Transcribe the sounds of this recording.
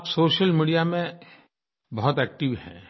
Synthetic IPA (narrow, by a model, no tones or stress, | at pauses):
psoːʃəlmiːɖijamẽ | bɐɦʊt̪ɛːk̚ʈɪʋhɛ̰̃ː